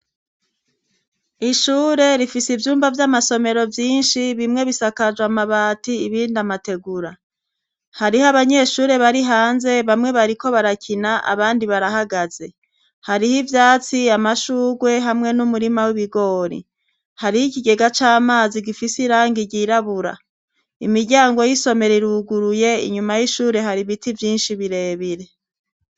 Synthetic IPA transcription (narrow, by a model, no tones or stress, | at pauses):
iʃuːɾe̞ɾifisivjuːmbavjamaso̞me̞ɾo̞vjiːnʃiβimŋe̞βisakad͡ʒwamaβaːtiːβiːndamate̞ɡuɾa | haɾihaβaɲe̞ʃuːɾe̞βaɾiɦaːnze̞βamŋe̞βaɾiko̞βaɾacʰinaʔa̰βaːndiβaɾahaɡaze̞ | haɾihivjaːt͡siamaʃuːɡwe̞ɦamŋe̞numuɾimawiβiɡo̞ːɾḭ | haɾihikiɡe̞ɡat͡ʃaːmaːziɡifisiɾaːŋɡiɟiɾaβuɾa̰ | imiɾɟaːŋɡo̞jiso̞me̞ɾeɾuɡuɾuje̞ḭɲumajiʃuːɾe̞ɦaɾiβitivjiːnʃiβiɾe̞ːβiɾe̞